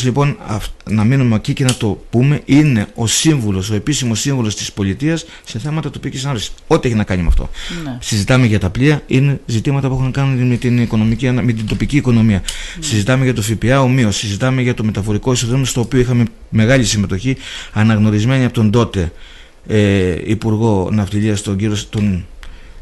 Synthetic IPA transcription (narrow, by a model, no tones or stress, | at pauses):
slipo̞nɐ̰fnɐminumecice̞nɐt̪o̞pume̞ʔine̞o̞siɱvulo̞so̞e̞pisimo̞siɱvulo̞st̪i̥spo̞lit̪iɐsːe̞θe̞mɐt̪ɐt̪o̞picicisɐnɐmpt̪iksi̥o̞t̪ieçinɐkɐɲimeɐ̰ft̪o̞̰sizit̪ɐme̞ʝɐt̪ɐpliɐine̞zit̪imɐt̪ɐpue̞xunɐkɐnunmet̪iniko̞no̞micime̞t̪̬ind̪o̞piciːko̞no̞miɐsizit̪ɐmeʝɐt̪ofipiɐo̞mio̞sizit̪ɐme̞ʝɐt̪o̞me̞t̪ɐfo̞ɾiko̞isoðomnost̪oːpio̞ixɐme̞ | me̞ɣɐʎisime̞t̪o̞çiɐnɐɣno̞ɾizme̞ɲiɐpo̞t̪nd̪o̞t̪e̞ | eḭpuɾɣo̞nɐft̪iʎiɐst̪o̞ɲɟiɾost̪on